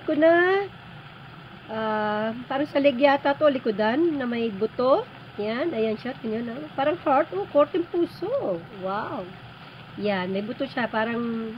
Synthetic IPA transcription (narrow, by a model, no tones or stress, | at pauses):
kʊna | ʔapaːɾɐŋsɐlɪɡjat̪at̪oʔolɪkʊd̪anːɐmɐjbʊt̪oʔ | janɐjɐnʃat̪̚kʊnjonɐpaːɾɐŋhaɹt̪ʔokoɾt̪ɛŋpuːsowaw | janmɐjbʊt̪oʃapaːɾɐŋ